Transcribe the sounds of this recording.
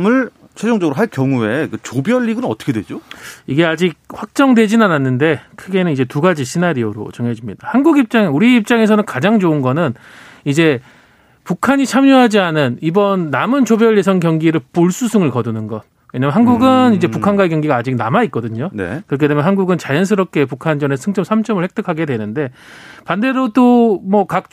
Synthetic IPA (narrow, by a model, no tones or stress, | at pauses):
mɯɭ | t͡ɕʰwed͡ʑoŋd͡ʑʌɡɯɾoɦaɭkjʌŋue̞kɯt͡ɕobjʌʎːiɡɯnnʌt͈ʰʌkʰedwed͡ʑoiɡe̞ad͡ʑik̚ɸwak̚t͡ɕ͈ʌŋdwe̞d͡ʑinananːɯnde̞kʰɯɡe̞nɯnid͡ʑe̞tuɡad͡ʑiɕʰinaɾioɾo̰t͡ɕʌŋed͡ʑimɲid̥ahanɡuɡip̚t͡ɕ͈aŋeuɾiːp̚t͡ɕ͈aŋe̞s̬ʰʌnɯnkad͡ʑaŋt͡ɕoɯnɡʌnɯn | id͡ʑe̞ | pukʰaɲit͡ɕʰamjuɦad͡ʑianɯnibʌnːamɯnt͡ɕobjʌʎjesʰʌŋkjʌŋɡiɾɯɭp͈oɭs͈usʰɯŋɯɭkʌdunɯnɡʌ̰n | weɲamjnɦanɡuɡɯnid͡ʑe̞pukʰanɡwaekjʌŋɡiɡaːd͡ʑik̚namait̚k͈ʌdɯɲon̰kɯɾʌkʰedemʌnɦanɡuɡɯnt͡ɕajʌns̬ʰɯɾʌp̚k͈e̞pukʰand͡ʑʌnesʰɯŋt͡ɕ͈ʌmsʰamt͡ɕ͈ʌmɯɭhe̞k̚t͈ʰɯkʰaɡe̞dwe̞nɯnde̞ | pande̞ɾod͈omʌkak̚